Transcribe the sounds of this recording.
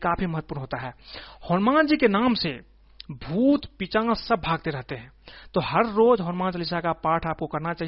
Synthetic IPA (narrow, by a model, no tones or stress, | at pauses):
kaːpʰiməɦət̪̚ːpuːɾnɦoːt̪aɦɛːhɔːɾmãːnd͡ʒiːkenaːmse | bʱuːt̪pit͡ʃãːsəb̚ːʱaːɡ̚t̪eɾɛɦt̪eɦɛ̃ːt̪oːɦəɾːoːd͡ʒɦɔːnmãːnt͡ʃəlɪsakapaːʈʰaːp̚kokɐɾnat͡ʃaːɦi